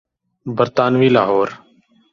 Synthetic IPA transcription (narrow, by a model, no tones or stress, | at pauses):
bəɾt̪aːnʋiːlaːɦoːɾ